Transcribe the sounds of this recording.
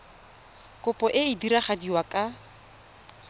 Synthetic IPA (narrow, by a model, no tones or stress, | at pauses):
kʊpʼɔʔɪɪdiɾaχadiwakʼa